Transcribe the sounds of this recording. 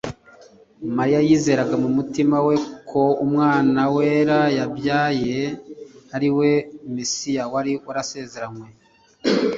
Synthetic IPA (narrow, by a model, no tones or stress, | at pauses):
maɾijajiːze̞ːɾaɡamumutimawe̞kʰo̞umŋaːnaweːɾajabjaːje̞ | aɾiwe̞mesijawaɾiuɾase̞ze̞ɾanwe̞